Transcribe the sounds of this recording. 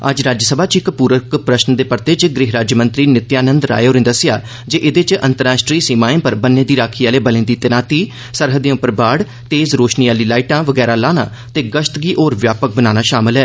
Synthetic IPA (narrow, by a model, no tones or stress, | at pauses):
ə̰d͡ʒɾaːd͡ʒjəsəbʱaːt͡ʃɪkpuːɾəkpɾəʃnd̪eːpəɾt̪eːt͡ʃɡɾɪɦɾaːd͡ʒjmə̃nt̪ɾiːnɪt̪jaːnə̃nd̪ɾa̰ːjoːɾɪ̃ːd̪əsɪja̰ː | d͡ʒeːʔɪd̪eːt͡ʃə̰̃nt̪əɾaːsʈɾiːsiːmaːẽːpəɾbənːẽːd̪iːɾaːkʰiːaːleːbəlẽːd̪iːt̪ɪnaːt̪iː | səɾɦəd̪ẽʊpːəɾbaːɽ | t̪eːzɾoːʃniːaːliːlaːiʈãːʋəɡɛːɾaːlaːna̰ː | t̪eːɡəʃt̪ɡiːʔoːɾʋjaːpək̚bənaːnaːʃaːmɪlɦɛː